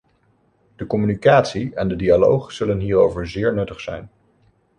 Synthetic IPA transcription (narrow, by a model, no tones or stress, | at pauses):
d̥əkɔmynikaːtsiɛndədialowχz̥ɵlənɦiːrowvəɹzɪːɹnɵtəχsɛ̰jn